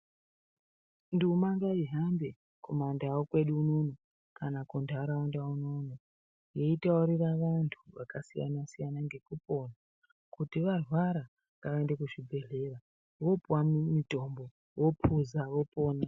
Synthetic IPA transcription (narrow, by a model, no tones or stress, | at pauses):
ndumaŋɡaiɦambe̞ | komandaːwokwe̞ɗuːnono | kanakundʱaɾaʋanduaunono | je̞itauɾiraʋantʰuʋakasija̰nasijanaŋɡe̞kupo̞na | kutiʋarwaɾa | ŋɡaʋaendekuʐibʱe̞ɮe̞ra | ʋo̞puwamito̞mbo̞ | wo̞pʰuzaʋo̞po̞ːna